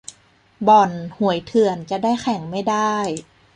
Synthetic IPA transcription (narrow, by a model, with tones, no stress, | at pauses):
bɔ˨˩nhu˩˦əjt̪ʰɯ˨˩ənt͡ɕa˨˧˩daː˥˩jxʰɛ˩˦ŋma˥˩jdaː˥˩j